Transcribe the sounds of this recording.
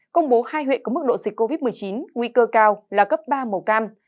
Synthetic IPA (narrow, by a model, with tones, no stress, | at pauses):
kə˧wŋ͡mɓo˨˦haː˧jɦwḭ˧˨nkmɨ˦˥k̚ɗo̰˧˨zi˨˩k̟̚ko˧vi˦˥t̚m˨˩əjt͡ɕi˨˦nŋwi˧kəː˧kaː˧wlaː˨˩kə˦˥p̚ɓaː˧mə˨˩kaː˧m